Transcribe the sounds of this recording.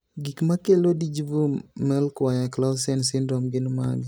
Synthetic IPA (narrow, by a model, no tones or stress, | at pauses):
ɡikmakelodid͡ʒbumɛlkwaɲaklasɛnsɪndɾɔmɡɪnma̰ɡ